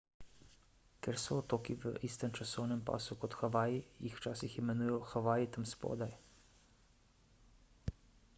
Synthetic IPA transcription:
kɛɾsɔːt̪oːkiʋə̰ʔiːst̪əmt͡ʃasɔwnɛmpa̰ːsukɔt̪xaʋaːjijixwt͡ʃaːsiximɛnujɔxaʋaːjit̪amspɔ̰ːd̪aj

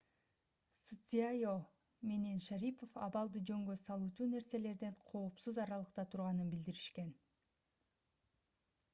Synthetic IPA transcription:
sɨt͡s̪iajo | menenʃaɾʲipʰo̞fɑβɑlˠd̪ɯd͡ʒø̞ŋɡøsɑlˠuːt͡ʃuːne̞ɾse̞le̞ɾd̪e̞ɴqʰo̞ːpsuzɑɾɑlˠɯqt̪ɑt̪ʰuɾʁɑnɯnbild̪iɾiʃke̞n

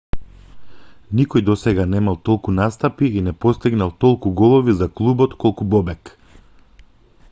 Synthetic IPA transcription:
nikɔjd̪ɔsɛɡanɛmalˠt̪ɔlˠkunast̪apiːnɛpɔst̪iɡnalˠt̪ɔlˠkuɡɔlˠɔvizaklˠubɔt̪kɔlˠkubɔbɛk

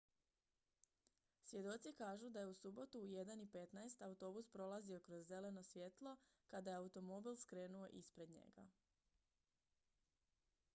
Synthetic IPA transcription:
sʋje̞d̪o̞t̪sikaːʒud̪aje̞usubo̞t̪uːje̞d̪anipe̞t̪naest̪aut̪o̞buspɾo̞lˠazio̞kɾozːe̞le̞no̞sʋje̞t̪lˠo̞kad̪ajeaut̪o̞mo̞bilˠskɾe̞ːnuo̞ʔispɾe̞d̪ɲe̞̰ɡa̰

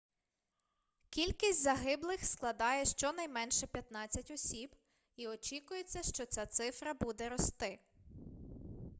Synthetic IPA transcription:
kʲilʲkʲisʲtʲzɐɦɪblˠɪxsklˠɐd̪ɑjɛʃt͡ʃɔnɐjmɛnʃɛpʲjɐt̪nɑt͡sʲːɐtʲɔsʲib | iɔt͡ʃʲikʊjet͡sʲːɐʃt͡ʃɔt͡sʲat̪sɪfɾɐbud̪ɛɾɔst̪ɪ

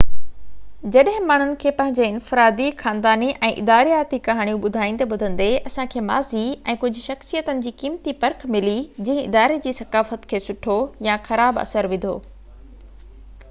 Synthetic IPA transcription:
d͡ʑɐɗɦɪ̃maːɳ̤ʊnɪ̆kʰeːpɐ̃ɦɪ̃ɲd͡ʑeɪnfɪɾaːd̪ixaːnd̪aːniʔɛ̃ːʔɪ̰d̪aːɾijaːt̪ikɐɦaːɽ̃ijũɓʊd̪ʱaːĩn̆t̪eɓʊd̪ʱə̃n̆d̪eɐsãkʰeːma̰ːziɛ̃ːkʊd͡ʑʱʊ̆ʃɐxsijət̪ənɪ̆d͡ʑiːkiːmt̪ipɐɾkʰmɪlid͡ʑɐ̃ɦɪ̃ɪd̪aːɾed͡ʑiːsɐkaːfət̪kʰeːsʊʈʰojaxɐɾaːbɐ̰səɾʋɪ̃nd̪ʱo̰ː

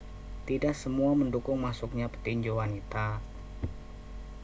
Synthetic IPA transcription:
t̪idaʔsəmuaməndukʊŋmasʊk̚ɲapə̥t̪iɲd͡ʒowanit̪a

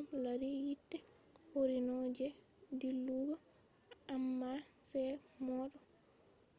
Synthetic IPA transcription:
laɾijitːɛhoɾinɔd͡ʒɛdilːuɡɔ | amːasɛmɔɗɔ

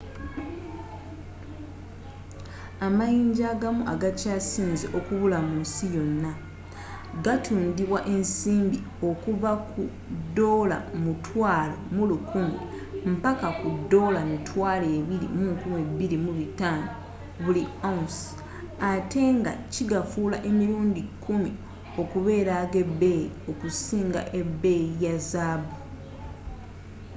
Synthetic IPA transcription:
amajiːɲɟaɡamuʔaɡacaːsiːnziʔo̞kuβulamunsijo̞nːa | ɡatʰuːndiβwaʔe̞nsiːmbi | o̞kuβaku | dːo̞ːla̰mutʰwaːlo̰mulukuːnde | m̩pakakudːo̞ːlamitʰwaːleːβiɾḭmukumwebiɾimuβitaːno | βulians | ate̞ŋɡa̰ciɡafulaʔe̞miɾuːndikʰumi | o̞kuβe̞ːɾaɡe̞bːe̞jio̞kusiːŋɡa̰ʔe̞bːe̞jazaːbu

